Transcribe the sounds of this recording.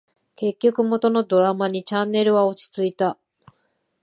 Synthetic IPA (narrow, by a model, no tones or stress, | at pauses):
ke̞kʲːo̞kɯ̟mo̞t̪o̞no̞d̪o̞ɾamaɲ̟it͡ɕãnːe̞ɾɯ̟βao̞t͡ɕi̥t͡sɨit̪a